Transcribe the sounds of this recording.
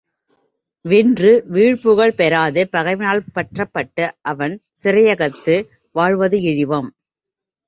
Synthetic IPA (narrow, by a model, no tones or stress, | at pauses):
ʋɪndrɯʋiːɻpɯɣɐɭpɛɾaːðɯpɐɣɐɪʋɪnaːɭpɐʈrɐpːɐʈːɯʔɐʋɐn | sɪɾɐjɐɣɐt̪ːɯ | ʋaːɻʋɐðɯɪɻɪʋɐm